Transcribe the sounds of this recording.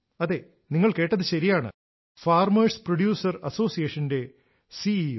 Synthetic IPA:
ɐðe̞ː | niŋːɐɭkeːʈːɐðɨɕɐɾijaːɳɨ̰ | faːrmɐːsproɽjuːsɐrɐso̞ːsijeʂɐnde̞ | si

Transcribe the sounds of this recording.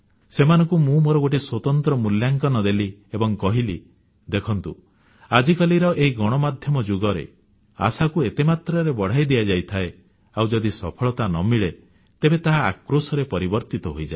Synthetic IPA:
semanɔŋkumũmoɾɔɡoʈeswɔt̪ɔnt̪ɾɔmuljaŋkɔnɔd̪eliebɔŋkɔɦili | d̪ekʰɔnt̪ṵ | ad͡ʒikaliɾɔʔeiɡɔɽ̃ɔmad̪ʱjɔmɔd͡ʒuɡɔɾḛ | a̰sakuet̪emat̪ɾɔɾebɔɽ̤ajd̪ijad͡ʒajt̪ʰae | awd͡ʒɔd̪isɔpʰɔɭɔt̪anɔmiɭe | t̪ebet̪aɦaa̰kɾosɔɾepɔɾibɔɾt̪it̪ɔɦojd͡ʒae

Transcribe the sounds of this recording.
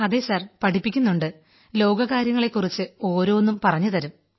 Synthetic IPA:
ɐðesɐrpɐʈʰipːikʲːunːuɳɖɨ | lo̞ːɡɐɣaːɾjɐŋːɐɭe̞kːurit͡ɕːɨo̞ːɾo̞ːʋenːumpɐrɐɲːut̪ɐɾum

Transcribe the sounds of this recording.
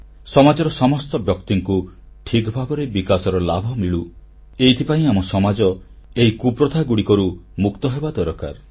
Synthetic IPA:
sɔmad͡ʒɔɾɔsɔmɔst̪ɔbjɔkt̪iŋku | ʈʰikbʱabɔɾebikasɔɾɔlabʱɔmiɭu | eit̪ʰipaĩamɔsɔmad͡ʒɔ | eɦikupɾɔt̪aɡuɽikɔɾumukt̪ɔɦebad̪ɔɾɔka̰ɾ

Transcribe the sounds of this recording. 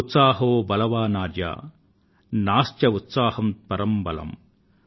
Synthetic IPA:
ut̪saːɦoːbɐlɐʋaːnaːɾd͡ʒa̰ː | naːst̪jɐut̪saːhɐmt̪pɐɾɐmbɐlɐ̰m

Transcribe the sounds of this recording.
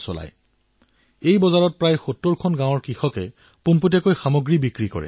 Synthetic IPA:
sɔ̰la̰j | ejbɔzaɹɔt̚pɹajxotːoɹkʰɔnɡãw̃ɔɹkɹixɔkɛ̰ | pumputɛkojxamoɡɹibikɹikɔ̰ɹɛ̰

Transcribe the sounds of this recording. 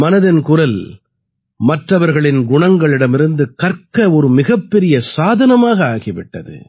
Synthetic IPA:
mɐnɐðɪnkʊɾɐl | mɐʈrɐʋɐɾɣɐɭɪnɡʊɳɐŋɡɐɭɪɽɐmɪɾɯnd̪ɯkɐɾkɐɔɾɯmɪɣɐpːɛɾɪjɐsaːðɐnɐmaːɣɐaːɣɪʋɪʈːɐðɯ̰

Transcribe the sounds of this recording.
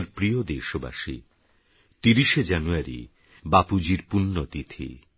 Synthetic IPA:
ɾpɾiod̪eʃoba̰ʃi | t̪iɾiʃed͡ʑanuaɾḭ | bapud͡ʑiɾpunːot̪it̪ʰḭ

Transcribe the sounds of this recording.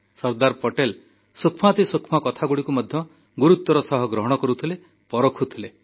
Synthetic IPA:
sɔɾd̪aɾpɔʈel | sukʰmat̪isukʰmakɔt̪ʰaɡuɽikumɔd̪ʱjɔ | ɡuɾut̪wɔɾɔsɔɦɔɡɾɔɦɔɽ̃ɔkɔɾut̪ʰile | pɔɾokʰut̪ʰile

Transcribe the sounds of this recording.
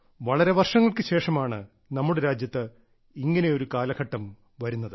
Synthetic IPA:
ʋɐɭɐɾeʋɐrʂɐŋːɐɭkɨɕe̞ːʂɐmaːɳɨ | nɐmːuɽeɾaːd͡ʑjɐt̪ːɨ | iŋːɐne̞o̞ɾukaːlɐɡʰɐʈːɐm | ʋɐɾunːɐðɨ

